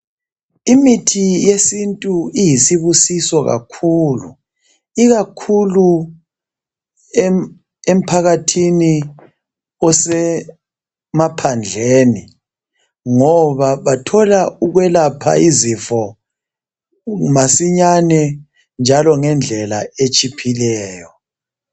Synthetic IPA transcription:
imitʰijesintʼuijisiβusisɔɣa̰kʰuːlṵ | iɣakʰulu | ɛ | em̩pʰaɣatʰini | ɔsɛ | mapʰand͡ɮʱeːni | ŋɔβaβatʰɔlauɣwɛlapʰa̰izifɔ | masiɲanɛ | nd͡ʒʱalɔŋɛnd͡ɮʱɛla̰et͡ʃʼipʰilɛːjɔ

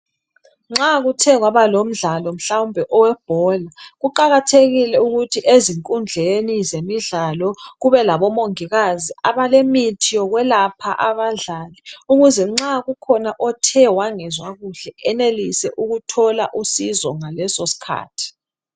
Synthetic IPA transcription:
ŋ͡ǁaɣutʰɛɣwaβalom̩ɮalɔm̩ɬawumbʱɛʔɔwɛb̥ʱɔlaɣuǃaɣatʰeɣilɛuɣutʰiʔeziŋkʼund͡ɮʱenizemiɮalɔɣuβɛlaβɔmoŋiɣaziaβalemitʰijɔɣwɛlapʰaʔaβaɮaːlɛuɣuzɛŋ͡ǁaɣukʰɔnaʔɔtʰɛwaŋɛzwaɣuɬɛʔɛnelisɛʔuɣutʰɔlaʔusizɔŋalɛsosi̥kʰa̰ːtʰi̥

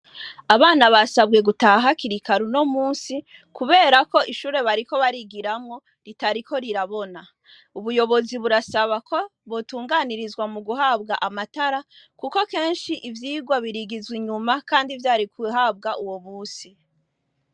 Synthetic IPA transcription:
aβaːnaβasabɡe̞ɡutaɦakiɾikaɾuno̞muːnsi | kuβe̞ːɾako̞ʔiʃuːɾe̞βaɾiko̞βaɾiɡiɾamŋo̞ | ɾitaɾikʰo̞ɾiɾaβo̞na | uβujo̞βo̞ziβuɾasaβakʰo̞βotuːŋɡaniɾizɡwamuɡuɦabɡaʔamataɾa | kuko̞ke̞ːnʃiʔivjiːɡwaβiɾiɡizwiɲumakaːndivjaːɾikiɦab̚ɡaʔuwomuːsi

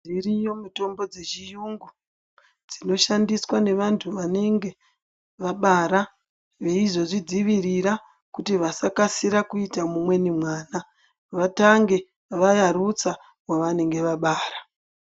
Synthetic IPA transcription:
irijo̞muto̞mbo̞d͡ze̞t͡ʃijuŋɡu | d͡zino̞ʃandiswane̞ʋantʰuʋane̞ŋɡe̞ | ʋaɓaːɾa | ʋe̞iʐo̞ʐid͡ziʋiriɾa | kutiʋasakasiɾakuitamumwe̞nimwaːna | ʋataŋɡe̞ | ʋajaɾut͡sa | waʋane̞ŋɡe̞ʋaɓaːra

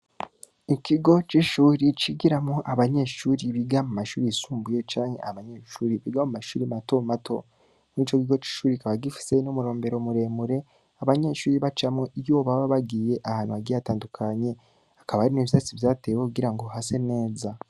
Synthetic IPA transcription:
ikiɡo̞t͡ʃiʃuːɾit͡ʃiɡiɾamoʔaβaɲe̞ʃuːɾiβiɡamumaʃuːɾisuːmbujot͡ʃaːnhe̞̰ʔaβaɲe̞ʃuːɾiβiɡamumaʃuːɾimato̞matʰo̞̰ | niːt͡ʃo̞kiɡo̞t͡ʃi̥ʃuːɾikaβaɡifi̥se̞nomuɾo̞ːmbe̞ɾo̞muɾe̞ːmuɾe̞ | aβaɲe̞ʃuːɾiβat͡ʃamŋoijoːβaβaβaɡiːje̞ʔahaːnuaɡijataːndukʰaɲe̞ | ḁkaβahaɾineβisat͡siβjaːtewekuɡiɾaŋɡo̞hase̞ne̞ːza

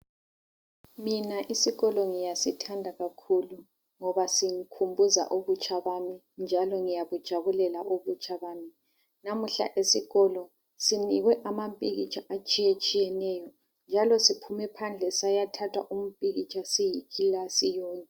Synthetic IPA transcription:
minaʔisiɣɔlɔŋijasitʰandʱaɣakʰulu | ŋɔβasiŋikʰumbʱuza̰ʔoβut͡ʃʰʼaβami | nd͡ʒʱalɔŋijaβud̥ʒ̥ʱaβulɛlaʔoβut͡ʃʼaβaːmi | namuɬa̰ʔesiɣɔlɔ | siniɣwɛʔamampʼiɣit͡ʃʼʰaʔat͡ʃʼijet͡ʃʼijɛnɛjɔ | nd͡ʒʱalɔsipʰumɛpʰand͡ɮʱɛsajatʰatʰwaʔum̩pʼiɣit͡ʃʼasijikʰilasijɔːnɛ

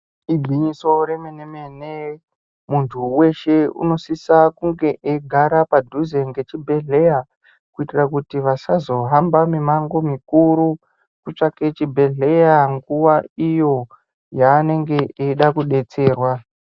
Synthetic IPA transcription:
iɡʱiɲiso̞ɾe̞menemene | muntʰuwe̞ʃe̞ṵno̞sisakuŋɡe̞ʔeɡʱaɾapadʱuze̞ŋɡe̞t͡ʃibʱe̞ɮe̞ja | kuitirakutiʋasazo̞ɦambamimaŋɡo̞mikuɾu | kut͡ʂake̞t͡ʃibʱe̞ɮe̞jaŋɡuwaijo̞ | jaːne̞ŋɡe̞eɗakuɗe̞t͡se̞ːrwa

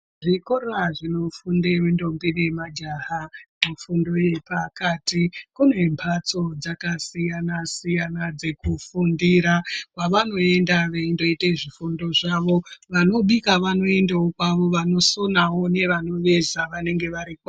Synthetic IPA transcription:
ʐikoraʐino̞fundemindo̞mbiɗemad͡ʒaɦamufundo̞je̞pakatikune̞mpʰat͡so̞d͡zakasijanasijanad͡ze̞kufundiɾakwaʋano̞e̞ndaʋeindo̞iteʐifundo̞ʐaʋo̞ʋano̞ɓikaʋano̞e̞ndawokwaʋo̞ʋano̞so̞nawo̞ne̞ʋano̞ʋe̞zaʋane̞ŋɡe̞ʋaɾikwa

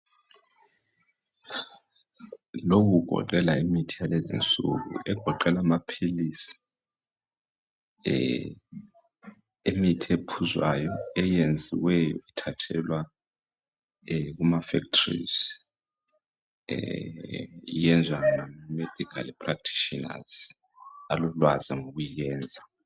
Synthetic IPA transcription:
lok̬uɡ̥ʱɔ̰ǃɛlaimitʰijalezḭnt͡sʼṵɣṵʔɛɡ̥ʱɔǃɛlamapʰilisi̥ | emitʰiepʰuzwajɔɛjend͡zʱiwɛjɔ̰itʰatʰɛlwa | ɣumafɛktʰrḭz | ijɛnd͡zʱwanamamed̥ʱikʰa̰lpʰʼrak̚tʰi̥ʃina̰z̥ | alulwazɛŋoɣujijɛːnd͡zʱa

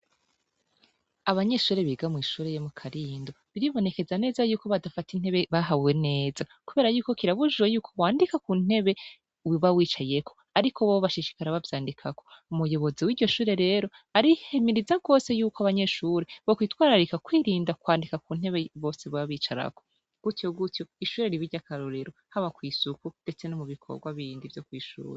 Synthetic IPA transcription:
aβaɲe̞ʃuːɾeβiɡamŋiːʃuːɾejomukʰaɾiːndo̞βiɾiβo̞ne̞ke̞zane̞ːzajuːko̞βadafatin̥he̞βe̞βaɦaβwe̞ne̞ːzakuβeːɾajuːko̞kiɾaβuʒwejuːkʰo̞waːndikakuːn̥e̞βe̞ | wiβawiːt͡ʃaje̞kʰo̞̥ | aɾikʰo̞βowoβaʃiʃi̥kaɾaβavjaːndikʰako̞umujo̞βo̞ziwiːɾɟo̞ʃuːɾe̞ɾe̞ːɾo̞ | aɾihemiɾizaɡo̞ːse̞juːkoaβaɲe̞ʃuːɾeβokwiːtwaːɾaɾikakwiːɾiːndakwaːndikakuːn̥he̞βe̞βo̞ːse̞βaβiːt͡ʃaɾa̰ko̞ | ɡ̥utjoɡutjo̞iʃuːɾeɾiβiɾɟakaɾoɾeɾo̞haβakwiːsukunde̞t͡se̞nomuβikʰo̰ɡwaβiiːndivjo̞kwiːʃṵːɾe

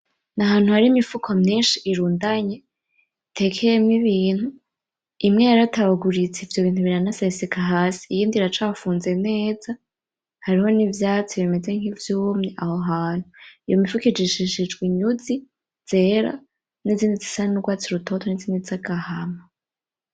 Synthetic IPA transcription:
naɦaːn̥huhaɾiːmifukʰomɲiːnʃiʔːɾuːndaɲe | tʰe̞kʰejemŋiβiːn̥hu | imŋejaɾatʰaβaɡuɾit͡seivjo̞βiːn̥huβiɾanasesikaɦaːsi̥ːjiːndiɾat͡ʃaːfuːnze̞ne̞ːza | haɾiho̞nivjaːt͡siβime̞zeŋhivjuːmɲeʔahoɦaːn̥huijomifukid͡ʒiʃiʃid͡ʒɡwiɲuzi | z̥e̞ːɾa̰ | niziːndizisanuɡwaːt͡siɾutʰo̞tʰo̞niziːndizaɡahama

